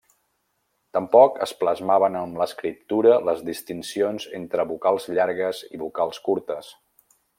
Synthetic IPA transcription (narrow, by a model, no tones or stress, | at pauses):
t̪əmpɔkə̰spləzmaβənəmləskɾip̚t̪uɾələzðist̪insionzent̪ɾəβukalˠzʎaɾɣəziβukalˠskuɾt̪əs